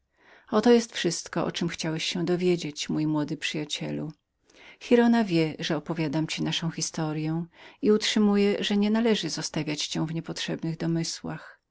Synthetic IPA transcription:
ɔt̪ɔjɛst̪fʂɘst̪kɔʔɔ̰t͡ʂɘmxt͡ɕawɛɕɕɛ̃d̪ɔvʲjed͡ʑet͡ɕmujmwɔd̪ɘpʂɘjat͡ɕɛ̰lṵ | xʲiɾɔnavʲjɛʐɛɔpɔvʲjad̪amt͡ɕinaʂɔ̃w̃xʲist̪ɔɾjɛw̃iutʂɘmujɛʐɛɲɛnalɛʐɘzɔst̪avʲjat͡ɕt͡ɕɛwvɲɛpɔtʂɛbnɘɣd̪ɔmɘswa̰x

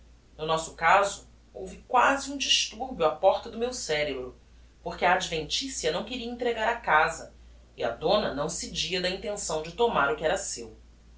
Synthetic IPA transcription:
nʊnɔsʊ̥kazʊ | owvikwazɪũd͡ʒiʃt̪uɾbjʊapɔɾt̪ɐd̪ʊmewsɛɾebɾʊ | poɾkɪɐːd͡ʒivẽnt͡ʃisjɐnɐ̃w̃keɾiɐĩnt̪ɾeɡaɾɐkazɐ | iɐ̰d̪õnɐnɐ̃w̃sed͡ʒiɐd̪ɐĩnt̪ẽsɐ̃w̃d͡ʒɪt̪omaɾʊkɪɛɾɐsew

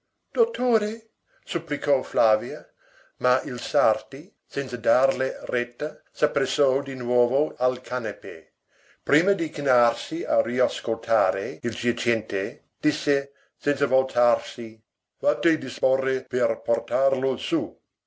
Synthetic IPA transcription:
d̪̥ot̪ːoːɾe | supːlikʰɔflaːvja | mailsart̪i | sɛnt̪sad̪arlerɛt̪ːa | sapːɾesːɔd̪inwɔːvoalkʰanepe | pɾiːmɐd̪ikinarsiariaskolt̪ʰaːɾeild͡ʒat͡ʃɛnt̪e | d̪̥isːe | sɛnt̪savolt̪ʰarsi | vat̪ed̪isporːeperport̪arlosu

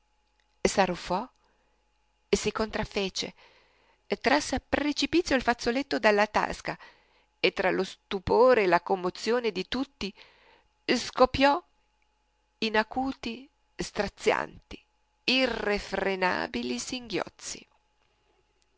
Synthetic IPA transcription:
sarufɔ | esikont̪ɾafːeːt͡ʃḛː | t̪ːɾasːapɾet͡ʃipit̪sːjoalfat̪sːolet̪ːod̪elːat̪a̰ska | et̪ːɾalost̪upoːɾeːlakomːot̪sjoːned̪it̪ut̪ːi | skopːjɔ | inakuːt̪i | st̪ɾat̪sːja̰nt̪i̥ | irːefɾena̰ːbilisiŋɡjɔ̰t̪sːḭ

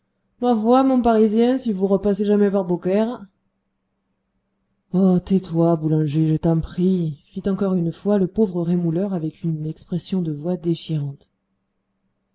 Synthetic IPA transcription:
mavwamɔ̃paʁizjɛ̃sivuʁəpaseʒamɛvaʁbokɛʁ | ɔt̪ɛt̪wabulɑ̃ʒeʒet̪ɛ̃pχifit̪ɑ̃kɔʁynfwaləpovʁəʁemulœʁavɛkynɛkspχesjɔ̃d̪əvwad̪eʃiʁɑ̃t̪

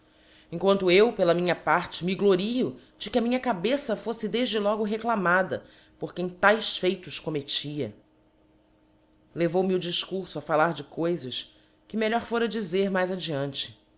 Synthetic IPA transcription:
ẽŋkwɐ̃nt̪ʊewpelɐmĩɲɐpaɾt͡ʃɪmiɡloɾiʊ | d͡ʒɪkɪɐmĩɲɐkabesɐfosɪd̪eʒd͡ʒɪlɔɡʊɦeklamad̪ɐ̰ | poɾkẽj̃t̪ajsfejt̪ʊʃkomet͡ʃiɐ | levowmiʊd͡ʒiʃkuɾsʊɐfalaɾd͡ʒɪkojzɐʃ | kɪmeʎɔɾfoɾɐd͡ʒizeɾmajzɐd͡ʒiɐ̃nt͡ʃɪ̥

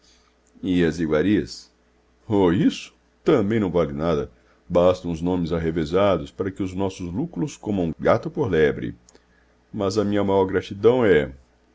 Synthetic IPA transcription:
ɪɐziɡwaɾiɐs | oisʊ̥ | t̪ɐ̃bẽj̃nɐ̃w̃valɪnad̪ɐ | bast̪ɐ̃w̃ʊznõmɪzaɦevezad̪ʊspaɾɐkɪʊznɔsʊzlukɾʊskõmɐ̃ũɡat̪ʊpoɾlɛbɾɪ̰ | mɐzɐmĩɲɐmajɔɾɡɾat͡ʃid̪ɐ̃w̃ɛ

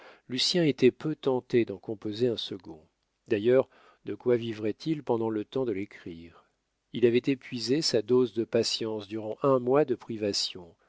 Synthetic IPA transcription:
lysjɛ̃et̪ɛpøt̪ɑ̃t̪ed̪ɑ̃kɔ̃pozeɛ̃səɡɔ̰̃ | d̪ajœʁ | d̪̥əkwavivʁɛt̪ʰilpɑ̃d̪ɑ̃lət̪ɑ̃d̪əlekχiːʁ | ilavɛt̪epɥizesad̪ozd̪əpasjɑ̃sd̪yʁɑ̃ʔɛ̃mwad̪əpχivasjɔ̃

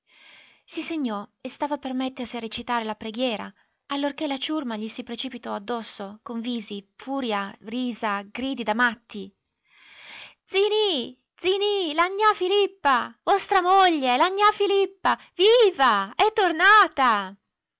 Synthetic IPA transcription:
siseɲːɔest̪aːvapermɛt̪ːersiaret͡ʃit̪aːɾelapɾeɡjɛːɾa̰ | alːorkelat͡ʃurmaʎisipɾet͡ʃipit̪ɔad̪ːɔsːokoɱviːzifuːɾjariːzaɡɾiːd̪id̪amat̪ʰːi | d̪zini | d̪zinilaɲːafilipːavɔst̪ɾamoʎːelaɲːafilipːa | viːvaɛt̪ːornaːt̪a

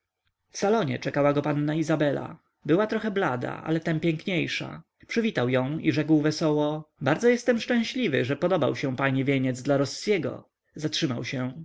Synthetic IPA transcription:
fsalɔɲɛ̰t͡ʂɛkawaɡɔpanːaizabɛla̰ | bɘwat̪ɾɔxɛblad̪a̰ʔa̰lɛt̪ɛmpʲjɛŋkɲejʂa̰ | pʂɘvʲit̪awjɔ̃w̃ḭʐɛkwvɛsɔwɔbaɾdzɔjɛst̪ɛmʂt͡ʂɛ̃w̃ɕlʲivɘ̰ʐɛpɔd̪ɔbawɕɛw̃paɲivʲjeɲɛd̪zd̪laɾɔsːjɛɡɔ̰ | zatʂɘmawɕɛ

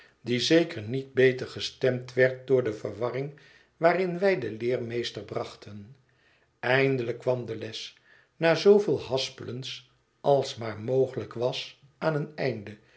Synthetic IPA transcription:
dizejkəɹnid̚bejtəɹχəstɛmtʋɛɹt̚dʊːɹdəvə̰ɹʋɑrɪŋ | ʋaːrɪnʋɛjdəlɪːɹmejstəɹbrɑχtʰən | ɛjndələkːʋɑmdəlɛs | naːzowvɪːlˠɦɑspələns | ʔɑlˠsmaːɹmowχələkʋɑs | aːnənɛjndə

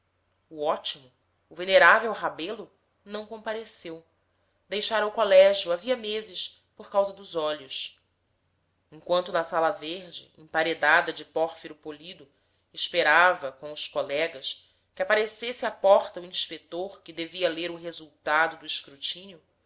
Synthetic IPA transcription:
uɔt͡ʃimʊː | veneɾavewɦabelʊ | nɐ̃w̃kõpaɾesew | d̪ejʃaɾɐwkolɛʒjuaviɐmezɪs | poɾkawzɐd̪ʊzɔʎʊs | ẽŋkwɐ̃nt̪ʊnɐsalɐveɾd͡ʒɪ̰ḛ̃paɾed̪ad̪ɐd͡ʒɪpɔɾfiɾʊpolid̪ʊ | ɪʃpeɾavɐkõʊskolɛɡɐs | kʲɪapaɾesesɪapɔɾt̪ɐuĩʃpekt̪oɾkɪd̪eviɐleɾʊɦezuwt̪ad̪ʊd̪ʊiʃkɾut͡ʃĩniʊ

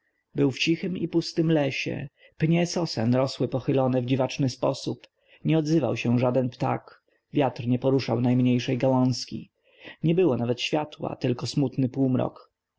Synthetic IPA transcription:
bɘwft͡ɕixɘmipust̪ɘmlɛɕɛ̰ | pɲɛsɔsɛnɾɔswɘpɔxɘlɔnɛvd͡ʑivat͡ʂnɘspɔsup | ɲɛɔd̪zɘva̰wɕɛʐad̪ɛnpt̪a̰k | vʲjat̪rɲɛpɔɾuʂawnajmɲejʂɛjɡawɔ̃ñskʲḭ | ɲɛbɘwɔnavɛt̪ɕfʲjat̪wa̰t̪ɘlkɔsmut̪nɘpuwmɾɔ̰k

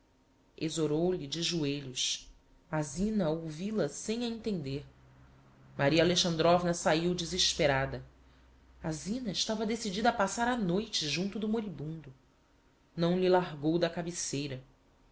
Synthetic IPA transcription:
ezoɾowlid͡ʒɪʒueʎʊʃ | azĩnɐowvilɐsẽj̃ɐẽnt̪ẽnd̪eɾ | maɾialeʃɐ̃nd̪ɾɔvnɐsaiwd͡ʒiziʃpeɾad̪ɐ | azĩnɐɪʃt̪avɐd̪esid͡ʒid̪ɐːpasaɾanojt͡ʃɪʒũnt̪ʊd̪ʊmoɾibũnd̪ʊ | nɐ̃w̃lilaɦɡowd̪ɐkabisejɾɐ

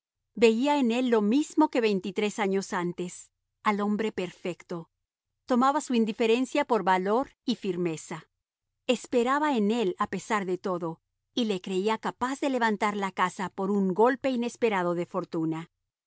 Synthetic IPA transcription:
be̞iaene̞lːo̞mizmo̞ke̞βe̞jnt̪it̪ɾe̞saɲo̞sant̪e̞s | alo̞mbɾe̞pe̞ɾfe̞kt̪o̞ | t̪o̞maβasuind̪ife̞ɾe̞nsjapo̞ɾβalo̞ɾifiɾme̞sa | espe̞ɾaβaene̞lape̞saɾðe̞t̪o̞ðo̞ | ile̞kɾe̞iakapazðe̞le̞βant̪aɾlakasapo̞ɾuŋɡo̞lpe̞ine̞spe̞ɾaðo̞ðe̞fo̞ɾt̪una

